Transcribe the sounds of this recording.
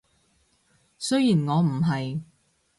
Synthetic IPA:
sɵ˥ɥjiː˨˩nŋɔː˨˧m̩˨˩ɦɐ˨j

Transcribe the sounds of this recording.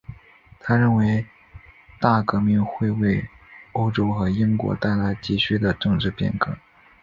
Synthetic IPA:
t̪ʰa˥ɻə˥˩nwe˧˥ɪ | t̪a˥˩kɤ˧˥mi˥˧ŋxwe˥˧ɪwe˥˩ɪo˥ʊʈ͡ʂo˥ʊxɤ˧˥i˥ŋkwɔ̰˧˥t̪a˥˩ɪla˧˥ɪt͡ɕi˧˥˩ɕy˥˩d̪ə˨ʈ͡ʂɤ˥˧ŋʈ͡ʂɻ̩˥˧pjɛ̰˥˩nkɤ̰˥

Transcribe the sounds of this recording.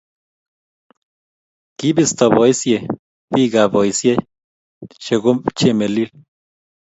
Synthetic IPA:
ki˦bi˦st̪o˨bo˨i˦sje˨ | bi˦ɡa˨bo˨i˨sje˦ | ʃe˨ɡu˦mt͡ʃe˦me˨li˦l

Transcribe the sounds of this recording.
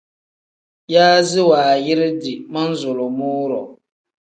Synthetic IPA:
jaː˦zɪ˦waː˨jɪ˦ɾɪ˦di˨ma˦n˦zʊ˨lɔ˨muː˦ɾɔ̰˨

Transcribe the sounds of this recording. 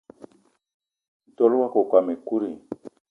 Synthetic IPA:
to˦lwa˦ko˨ka˨me˨ku˦ɾi˨

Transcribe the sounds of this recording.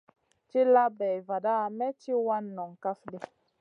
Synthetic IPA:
t͡ʃi˦la˦bɛ˨va˨da˦˨mɛ˦t͡ʃi˦wa˦nːɔ˨ŋ˨ka˦fdi˦

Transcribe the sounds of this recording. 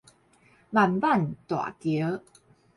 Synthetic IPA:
la˨˩npa˥˧˨nt̪wa̰˨˩ki˨˦˥

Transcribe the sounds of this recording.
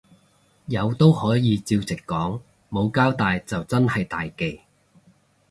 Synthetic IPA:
jɐ˨˧wt̪o˥whɔː˨˥jiː˨˧t͡siː˧wt͡sɪ˨kːɔː˨˥ŋ | mo˨˧wkaː˥wt̪aː˨jt͡sɐ˨wt͡sɐ˥nhɐ˨jt̪aː˨jke˨˧j

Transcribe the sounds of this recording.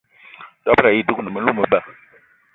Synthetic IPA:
tɔ˦pɾa˨ji˦du˦knə˨mə˦lu˦mə˨ɓa˨

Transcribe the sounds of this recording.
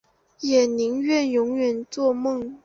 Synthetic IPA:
jɛ˨˩ni˧˥ŋɥɛ˥˩njʊ˧˥ŋɥɛ˨˩nt͡swɔ˥˧mɤ˥˧ŋ

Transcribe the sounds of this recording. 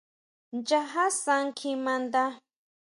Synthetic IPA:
nd͡ʒaɦa˦sa˧ŋkʰɪma˧nd̪a˦

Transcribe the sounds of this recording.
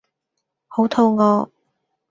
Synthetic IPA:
ho˨˥wt̪ʰo˧wŋɔː˨˧

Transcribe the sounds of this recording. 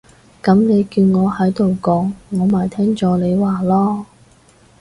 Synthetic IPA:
kɐ˨˥mne˨˧jkiː˧wŋɔː˨˧hɐ˨˥jt̪o˨wkɔː˨˥ŋːɔː˨˧maː˨˩jt̪ʰɛː˥ŋt͡sɔː˨˥le˨˧jwaː˨˩lɔː˥

